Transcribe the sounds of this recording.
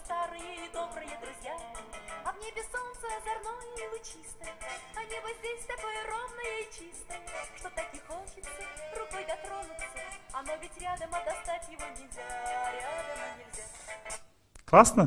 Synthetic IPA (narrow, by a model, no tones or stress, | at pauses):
st̪aɾɨjəid̪o̞bɾɨjəd̪ɾʊzʲjaɐvnʲebʲɪso̞nt̪səjəzɐrno̞jəilˠʊt͡ɕist̪əjəɐnʲebəzʲdʲesʲt̪ɐko̞jəro̞d̪nəjəɪt͡ɕist̪əjəʂt̪o̞t̪ɐkʲixot͡ɕɪt̪sərʊko̞jɡ̪ɐt̪ɾo̞nʊt̪səɐno̞vʲɪtʲɾʲad̪əmɐd̪ɐst̪atʲjɪvo̞nʲɪvʲzʲaɾʲɪad̪əmənʲɪlʲzʲa | klˠasnə